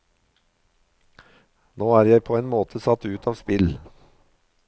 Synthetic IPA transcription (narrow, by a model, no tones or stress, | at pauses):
noːæːɾjæɪpʰoːeːnmoːt̪ʰəsɑt̪ʉːt̪ʰɑːʋspɪl